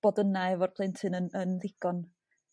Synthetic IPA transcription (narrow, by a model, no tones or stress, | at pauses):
b̥ɔdənaɛvɔrpʰlˠentʰɨnənənðɪɡ̥ɔn